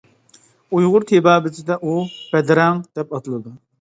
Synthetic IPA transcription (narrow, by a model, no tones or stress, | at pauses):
ujʁʊɾt̪ʰebɑːbɪt͡ʃʰɪd̪ɛʔub̥ɛd̪ɾɛŋd̪̥ɛpɑt̪ɨlˠɨd̪u